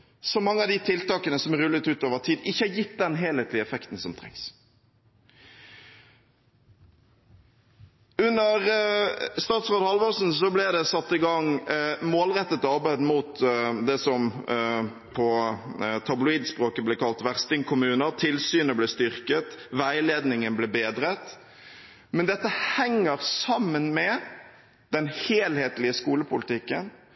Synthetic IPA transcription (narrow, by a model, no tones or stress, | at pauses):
sɔmɑŋːəɑd̪ɪt̪ʰɪlt̪ɑːkənəsɔmʁʉlːət̪ʉːt̪oːʋəʁt̪ʰiːd̪ɪçːəhɑjɪt̪ːd̪ɛnɦeːlheːt̪lɪɛfɛkt̪n̩sɔmt̪ʰʁɛ̰ŋs | ʉnːəʁ | st̪ɑːt̪sʁoːd̪əhɑlʋɔsn̩sɔblɪd̪ɛsɑt̪ːɪɡɑŋmoːlʁɛt̪ːət̪ɑʁbæɪd̪muːt̪d̪ɛsɔm | pʰɔ | t̪ʰɑblʊiːd̪spʁoːkəblɪkɑlt̪ʋæʁst̪ɪŋkʰʊmʉːnəɾt̪ʰɪlsyːnəblɛst̪ʏʁkət̪ʋæɪleːd̪nɪŋənblɛbeːd̪ɾət̪ | mɛnd̪ɛt̪ːəhɛŋːəʁsɑmːənmɛ | d̪̥ɛnheːlheːt̪lɪəskuːləpʰʊlɪt̪ʰɪkːə̰n